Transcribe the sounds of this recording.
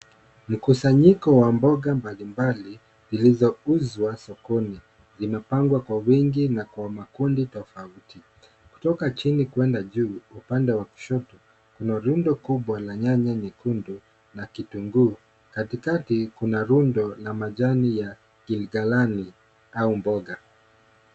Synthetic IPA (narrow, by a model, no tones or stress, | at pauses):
m̩kusaɲikɔwambɔɠambalimbali | zilizɔuzwasɔkɔni | zimɛpaŋɡwakwawiŋɡinakwamakunditɔfauti | ku̥tɔkat͡ʃinikuɛndaʄuːupandɛwaku̥ʃɔtɔ | kunaɾundɔkuɓwalaɲaɲaɲikundu | nakituŋɡuː | katikatikunaɾundɔlamaʄanija | kilɡalani | aumbɔɠa